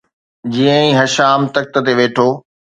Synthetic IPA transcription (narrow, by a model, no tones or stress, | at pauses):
d͡ʑiːə̃ĩɦɐʃaːmt̪ɐk̚t̪ə̆t̪eʋeːʈʰoː